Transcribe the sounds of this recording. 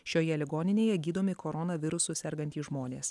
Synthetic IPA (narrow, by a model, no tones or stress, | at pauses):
ʃʲoːjɛlʲɪɡoːnʲɪnʲeːjɛɡʲiːd̪oːmʲɪkoːɾɔnɐʋʲɪɾʊsʊsʲɛɾɡɐnt̪ʲiːʒmoːnʲeːs